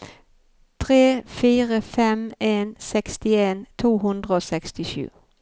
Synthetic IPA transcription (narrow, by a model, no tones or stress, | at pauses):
t̪ʰʁeːfiːʁəfɛmeːnsɛkst̪ɪeːnt̪ʰuːɦɵnd̪ʁəoːsɛkst̪ɪʃʉ̰ː